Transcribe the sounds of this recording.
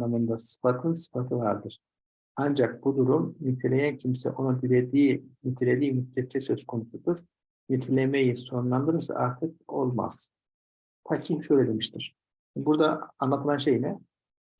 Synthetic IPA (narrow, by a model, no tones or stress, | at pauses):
amɯnd̪asɯ̥fat̪ʰɯnsɯ̥fat̪ʰɯvaɾd̪ɯɾ̥ | and͡ʒak̚bud̪uɾumnyt̪ʰelʲejæncʰimsɛ̰ʔo̞nud̪ilʲed̪iːnit̪ʰilʲed̪iːmytlʲɛt̪̚t͡ʃʰɛsø̞skʰo̞nusud̪uɾ̥ | nit̪ʰilʲemejiso̞ɾunlˠand̪ɯɾɯɾsa̰ʔaɾt̪ʰɯk̚o̞lˠma̰z̥ | fʰacʰihʃøjlʲed̪emiʃt̪ʰiɾ̥ | buɾd̪aːnˠat̪ʰɯlˠanʃejnɛ